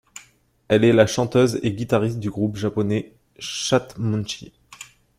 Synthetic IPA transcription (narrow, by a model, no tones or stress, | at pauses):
ɛlɛlaʃɑ̃t̪øzeɡʲit̪aʁist̪̚d̪yɡʁupʒapɔnɛ | ʃat̪mũnʃḭ